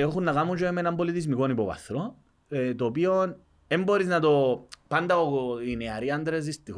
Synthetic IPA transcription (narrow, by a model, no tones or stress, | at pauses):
oxunːakamut͡ʃoemenambolit̪izmikonibopa̰θɾo | et̪opion | emboɾiznat̪opand̪aoineaɾiand̪ɾez̬ist̪i